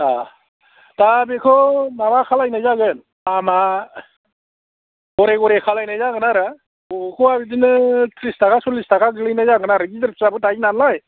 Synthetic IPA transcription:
a | tabekʰɔmamakʰalajnajzaɡɯn | ama | ɔɾeɡɔɾekʰalajnajzaɡɯnaɾɯ | kʰɔabid̬inɯtʰɾistakasɔlistakaɡɯlɯjnajzaɡɯnaɾɯɡidɯɾp̚ʰsabɯtajnanlaj

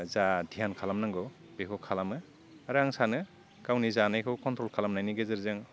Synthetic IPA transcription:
zadʱijankʰalamnaŋɡɔ | bekʰɔkʰalamɯ | aɾɯaŋsanɯ | kawnizanajkʰɯwkɔntɾɔlkʰalamnajnɯɡezɯɾzɯŋ

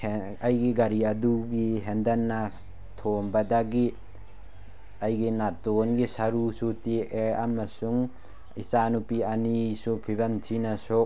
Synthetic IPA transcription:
ɐjɡiɡɐɾiɐduɡiɦendɐnːɐ | tʰombɐdɐɡi | ɐjɡinatonɡisɐɾusutieɾɐmɐsuŋ | isanupiɐnisupʰibɐmtʰinɐsok̚

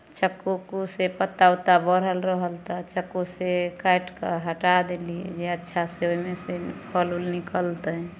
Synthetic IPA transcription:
t͡ʃəkːokosepət̪awt̪abəɾəlɾəɦəlt̪at͡ʃəkːosekajʈkəɦəʈad̪elḭd͡ʒeətːʃʰaseoimesepʰəlulnikəlt̪ə

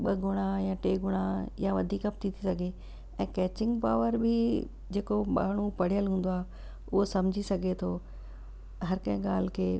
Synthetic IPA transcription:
ɓɐɡʊɽ̃ajaʈeːɡʊɽ̃ajaʋɐd̪ʱiːkɐp̚t̪ʰit̪ʰisɐɡʱe | ɛ̃ːkɛːt͡ɕɪ̃ŋɡpaːʋəɾbɪ | d͡ʑeːkoɓa̰ːɽ̤upɐɽ̤ijəlɦũːn̆d̪oaː | ʊɦosɐmd͡ʑʱisɐɡʱet̪ʰoː | ɦɐɾkɐ̃ɦɪ̃ɠaːl̤ɪkʰeː

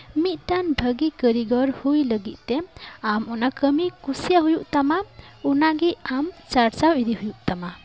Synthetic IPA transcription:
mit̪̚t̪anbʱəɡikəɾiɡɔɾhujləɡit̪̚ˀt̪ɛamɔnakəmikusijaɦujuʔt̪amaunaɡiamt͡ʃaɾt͡ʃawidiɦujuʔt̪ama

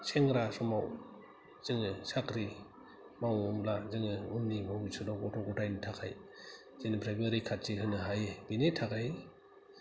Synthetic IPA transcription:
seŋɾasɔmaw | z̥ɯŋɯsakɾi | mawumlazɯŋɯumnimawisɯdɔwɡɔtʰɔɡɔtajnɯtʰakʰa̰j | zenɯpʰɾajbaɾikʰat̚t͡ʃiɦɯnɯɦajbinetʰakaj

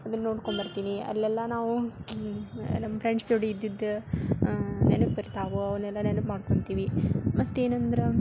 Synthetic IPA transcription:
ɐd̪ɐnːo̞ːɽkoɳbɐɾt̪iːniɐ̰lːɛlːɐnaːʋu | nɐmːɐpɾeɳɖst̪oɽiːd̪ːid̪ːu | nḛnɐpbɐɾt̪aːʋuɐʋɐɾnɛlːɐnenɐpmaːɽko̞ɳt̪iːʋimɐt̪ːe̞ːnɐnd̪ɐɾe

